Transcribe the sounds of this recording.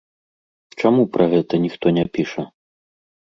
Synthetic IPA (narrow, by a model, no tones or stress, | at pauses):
t͡ʂamupɾɐɣɛt̪ɐnʲixt̪ɔnʲɛpʲiʂɐ